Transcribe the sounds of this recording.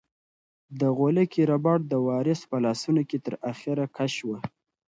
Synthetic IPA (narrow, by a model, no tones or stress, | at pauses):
d̪əɣolekiɾabɑʈ̚d̪əwɑɾɪspəlɑsunoket̪əɾaxiɾakʰaʃwə